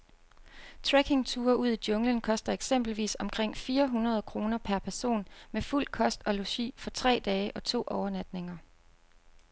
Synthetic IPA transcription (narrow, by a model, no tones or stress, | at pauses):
t͡sʰʁeɡ̥e̝ŋt͡sʰuːɐʔuð̞̰ˠid̥jɔ̽ŋlənkʰɒ̽sd̥ɐeɡ̥sem̰b̥l̩ʋḭːsɒ̽mkʰʁeŋ̰fiːɐɦunʁɐð̞ˠkʰʁo̝ːnɐpʰæɐpʰæɐso̝̰ːnmeful̰kʰɒ̽sd̥ɒ̽loɕḭːfɒ̽t͡sʰʁɛ̰ːd̥ɛːɪəʔɒ̽t͡sʰo̝̰ːʔɒʊɐnæd̥ne̝ŋɐ